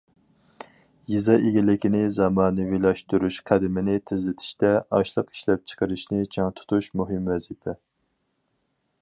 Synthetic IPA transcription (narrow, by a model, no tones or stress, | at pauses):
jizɑʔeɡʲilɪkʲinɪzɑmɑːnɨvilˠɑʃt̪uɾuʃqʰæd̪ɪmɪnɪt̪ʰɪzlɪt̪ʰɪ̥ʃt̪ɛɑʃlˠəqi̥ʃlɛp̚t͡ʃʰə̥qəɾɨʃnɪt͡ʃʰɑŋt̪ʰu̥t̪ʰuʃmuɦɨmwɛzɪpʰɛ